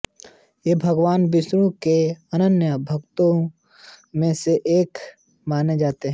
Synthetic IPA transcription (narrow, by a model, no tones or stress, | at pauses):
jebʱɐɡʋaːnbɪʃɾũkeɐnənjəbʱɐkt̪õ | mẽseʔeːk | maːned͡ʒaːt̪eɦɛ̃